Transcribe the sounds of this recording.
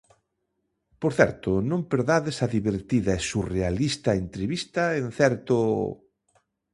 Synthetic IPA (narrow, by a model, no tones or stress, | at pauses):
poɾθɛ̰ɾt̪ʊnõmpeɾðaðesaðiβeɾt̪iðɐesurealist̪aent̪ɾeβist̪aen̟θɛɾt̪ʊ